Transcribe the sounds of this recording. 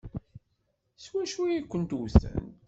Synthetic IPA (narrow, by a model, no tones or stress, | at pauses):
swæʃujikʷːənt̪uwθə̰nt̪